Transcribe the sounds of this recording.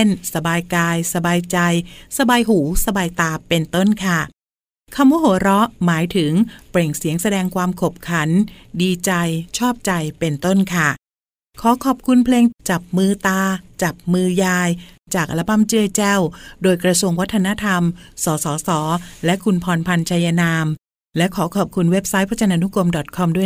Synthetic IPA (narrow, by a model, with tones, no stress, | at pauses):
nsa˧baː˧jkaː˧jsa˧baː˧jt͡ɕa˧jsa˧baː˧jɦuː˩˦sa˧baː˧jt̪aː˧pe˧nt̪o˥˩nkʰa˥˩ | kʰa˧mwaː˦˥ɦoː˨˩˦ɾɔ˦˥maː˩˦jt̪ʰɯ˩˦ŋpɾe˨˩ŋsi˩˦əŋsa˧dɛː˧ŋkʰwaː˧mkʰo˨˩p̚kʰa˩˦ndiː˧t͡ɕa˧jt͡ɕʰɔː˥˩p̚t͡ɕa˧jpe˧nt̪o˥˩nkʰa˥˩ | kʰɔː˩˦kʰɔː˨˩p̚kʰu˧npʰleː˧ŋt͡ɕa˨˩p̚mɯː˧t̪aː˧t͡ɕa˨˩p̚mɯː˧jaː˧j | t͡ɕaː˨˩k̚la˨˦˥pa˧˥˨mt͡ɕɯː˥˩əjt͡ɕɛː˥˩wdoː˧jkɾa˧su˧əŋwa˦˥t̪ʰːa˧na˦˥t̪ʰa˧msɔː˩˦sɔː˩˦sɔː˩˦lɛ˦˥ʔkʰu˧npʰɔː˧npʰa˧nt͡ɕʰaː˧ja˧naː˧m | lɛ˦˥ʔkʰɔː˩˦kʰɔː˨˩p̚kʰu˧nwe˦˥p̚sa˦˥jpʰa˥t͡ɕa˧nʔa˧nu˦˥ko˧mdɔ˨˩t̪̚kʰɔ˧mdu˥˩ə